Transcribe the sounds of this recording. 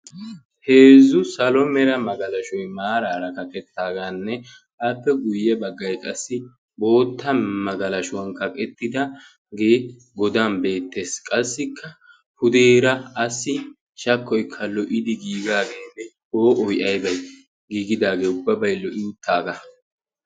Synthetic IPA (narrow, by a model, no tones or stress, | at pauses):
he̞ːzʊsɐlɔmɛɾɐmɐɡɐlɐʃɔjmaːɾaːɾɐkɐkɛt̪ːaːɡanːɛ | ʔaːpːɛɡʊjːɛbɐɡːɐjkʼɐsːɪ | bo̞ːt̪ːɐmɐɡɐlɐʃʊwɐŋkɐkʼɛt̪ːɪd̪ɐ | ɡe̞ː | ɡɔd̪aːnbe̞ːt̪ːe̞ːskʼɐsːɪkːɐ | pʊd̪eːɾɐɐsːɪ | ʃɐkːɔjkʰːɐlɔʔɪd̪ɪɡiːɡaːɡeːnːɛ | oːʔɔjʔɐjbɐj | ɡiːɡɪd̪aːɡeːʊbːɐbɐjlɔʔɪʊt̪ʰːaːɡɐ